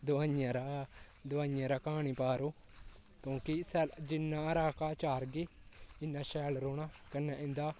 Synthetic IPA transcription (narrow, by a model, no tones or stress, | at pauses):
d̪ʊaːjãɾaː | d̪ʊʋaːjãːɾaːkaːɳiːpaːɾoː | kjõːkɪsɛːld͡ʒɪnːãːɾaːkaːt͡ʃaːɾɡiː | ɪnːãːʃɛːlɾoːnaːkənːãːʔɪ̃nd̪aː